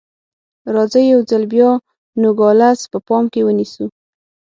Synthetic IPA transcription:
ɾɑzəjawzalbjɑ | noɡɑlaspəpɑmkewənisu

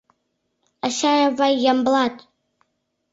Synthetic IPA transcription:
aʃaɾavajːamblat̪ʼ

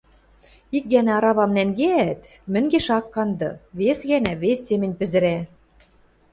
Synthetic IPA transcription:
ik̚ɣænæɑɾɑβɑmnæŋɡeæt̪ | mɘ̆ŋɡeʃɑkːɑnd̪ɤ̰̆βesɣænæβesʲːemɘ̆nʲpɘ̆zɘ̆ɾæ

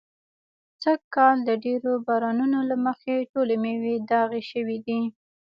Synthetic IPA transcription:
t͡səkkːɑld̪əɖeɾobɑɾɑnunolaməxeʈolemewed̪ɑɣeʃəwid̪i

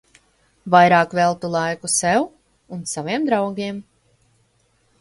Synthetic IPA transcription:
vajɾaːkvɛlˠt̪ulˠajkusɛw | unsaviɛmd̪ɾawɡʲiɛm

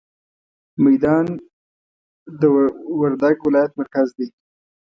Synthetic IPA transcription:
majd̪ɑn | d̪əwaɾd̪aɡwɪlɑjat̪maɾkazd̪e

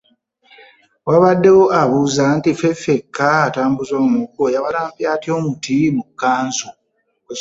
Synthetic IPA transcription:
waβadːe̞woʔaβuːzantifefekʰːaataːmbuzoːmumukojawaɾaːmpjaːtio̞mutimukːaːnzo

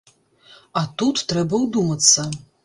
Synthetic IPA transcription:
at̪ut̪ːrɛbɐwd̪umɐt͡sʰɐ

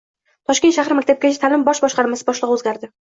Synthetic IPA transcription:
t̪ʰɒʃkʲet̪ʃahɾɪmakʲt̪ʰap̚kʲat͡ʃʰat̪ʰalɪmbɒʃbɒʃqɑɾmasɪbɒʃlˠɨʁɵzɡʲaɾd̪ɪ

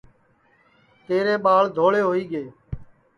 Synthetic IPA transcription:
t̪eːɾeːɓaːld̪ʱoːɭeːɦoːiːɡeː

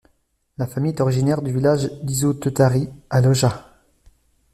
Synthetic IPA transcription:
lafamijd̪ɔʁiʒinɛʁd̪yvilaʒd̪izot̪øt̪aʁialɔʒa

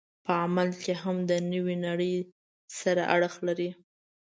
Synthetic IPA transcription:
pəamalkeɦamd̪ənəwinaɽəj | saɾaʔaɽəxlaɾi

